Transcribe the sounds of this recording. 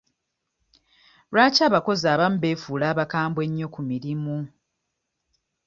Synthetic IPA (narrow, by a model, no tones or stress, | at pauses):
ɾwaːcaːβako̞zaːβamube̞ːfuːlaːβakaːmbwe̞ɲːo̞kumiɾimu